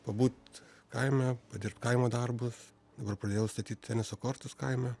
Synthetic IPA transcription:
pɐbuːt̪kɐɪmʲɛpɐd̪ʲɪɾp̚t̪̚kɐɪmoːd̪ɐrbʊs | d̪ɐbɐrpɾɐdʲeːjɛʊst̪ɐt̪ʲiːt̪ʲɛnʲɛsokort̪ʊskɐɪmʲɛ

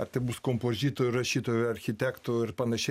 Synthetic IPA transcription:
ɐrt̪ʲɛɪbuskoːmpozʲiːt̪oːjʊɾɐʃʲiːt̪oːjʊɐɾʲxʲɪt̪ʲæːkt̪oːɪɾpɐnɐʃʲɛ

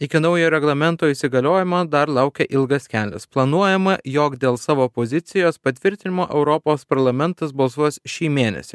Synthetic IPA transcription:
ɪkʲɪnɐʊjoːɾʲɛɡlˠɐmʲɛnt̪oːisʲɪɡɐlʲoːjɪmɐd̪ɐɾlˠɑʊkʲɛʔɪlˠɡɐskʲæːlʲɛ̰splˠɐnuɔjɛmɐjokd̪ʲeːlˠsɑːʋoːpoːzʲɪt̪sʲɪjoːspɐt̪ʲʋʲɪɾʲt̪ʲɪnʲɪmoːʔɛʊɾɔpoːspɐɾlˠɐmʲɛnt̪ɐsbɐlˠsuɔsʲʃʲiːmʲeːnʲɛ̰sʲɪ

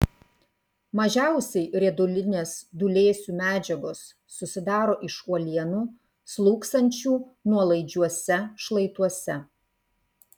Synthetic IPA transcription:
mɐʒʲæˑʊsʲɛɪɾʲɛd̪ʊlʲɪnʲeːsd̪ʊlʲeːsʲuːmʲæːd͡ʒʲɛɡoːsː | ʊsʲɪd̪ɑːɾoːʔɪʃuɔlʲiɛnuː | slˠuːksɐnʲt͡ʃʲuːnuɔlˠɐɪd͡ʒʲuɔsʲɛʃlˠɐɪt̪uɔsʲɛ

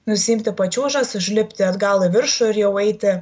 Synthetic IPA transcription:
nʊsʲɪjɪmʲt̪ʲɪpɐt͡ʃʲuːʒɐsʊʒʲlʲɪpʲt̪ʲɪɐd̪ɡɐlˠɪʋʲɪɾʃʊɪɾjɛʊɛɪt̪ʲɪ

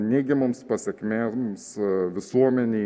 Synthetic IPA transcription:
nʲɛɪɡʲɪmɐmspɐsʲɛkmʲæːmsʋʲɪsuɔmʲɛnʲeː

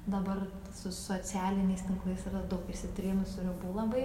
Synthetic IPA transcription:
d̪ɐbɐr | sʊsoːt͡sʲæːlʲɪnʲɛɪst̪ʲɪŋklˠɐɪsɪɾɐd̪ɐʊkɪʃʲsʲɪt̪ʲɾʲeːnʊsʊɾʲɛbuːlˠɐbɐɪ

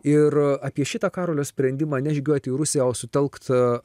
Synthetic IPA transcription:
ɪɾɑpʲiɛʃʲɪt̪ɑkɑːɾoːlʲoːsʲpʲɾʲɛnʲd̪ʲɪmɑːnʲɛʒʲɡʲuɔt̪ʲiːɾʊsʲejɛoːsʊt̪ʲɛlˠkt̪

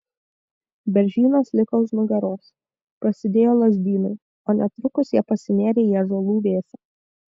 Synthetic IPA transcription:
bʲɛɾʲʒʲiːnoːslʲɪkoʒnʊɡɐɾoːs | pɾɐsʲɪd̪ʲeːjoːlˠɐzʲd̪ʲiːnʊɪ | oːnʲɛt̪ɾʊkʊsjiɛpɐsʲɪnʲeːɾʲeːiːɛʒolˠuːʋʲeːsɐː

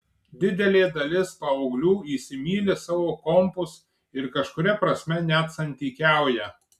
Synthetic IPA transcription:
d̪ʲɪd̪ʲɛlʲeːd̪ɐlʲɪspɐɒʊɡlʲuːiːsʲɪmʲiːlʲɪsɑːʋoːkɔmpʊs | ɪɾkɐʃkʊɾʲɛpɾɐsʲmʲɛnʲæt̪sɐnʲt̪ʲiːkʲæˑʊjɛ

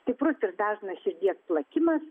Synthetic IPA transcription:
ʃʲt̪ʲɪpɾʊpʲɪrd̪ɑːʒnɐsʃʲɪɾʲd̪ʲiɛkplˠɐkʲɪmɐs

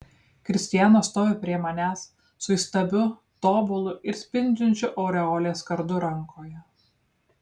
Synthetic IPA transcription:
kɾʲɪsʲt̪ʲɪjæːnɐst̪oːʋʲeːpʲɾʲiɛmɐnʲæːs | sʊɪst̪ɐbʲʊ | t̪oːbʊlˠʊɪɾsʲpʲɪnʲd͡ʒ̪ʲɪnʲt͡ʃʲʊʔoːɾʲɛoːlʲeːskɐɾd̪ʊɾɐŋkʰoːjɛ

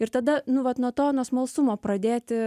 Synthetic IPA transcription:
ɪrt̪ɐd̪ɐnʊʋɐt̪nuɔt̪oːnuɔsmɐlˠsʊmoːpɾɐd̪ʲeːt̪ʲɪ

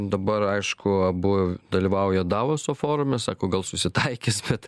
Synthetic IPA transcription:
d̪ɐbɐɾɐɪʃkʊɐbʊd̪ɐlʲiːʋɐʊjɛd̪ɑːʋosoːfoːɾʊmʲɛsɑːkoːɡɐlˠsʊsʲɪt̪ɐɪkʲɪsbʲɛt̪

